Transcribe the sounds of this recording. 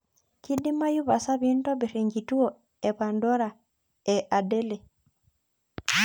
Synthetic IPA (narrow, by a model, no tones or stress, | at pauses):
kidimajuβasaβiːntoβiɾeŋɡituo | eβandoɾa | eʔadele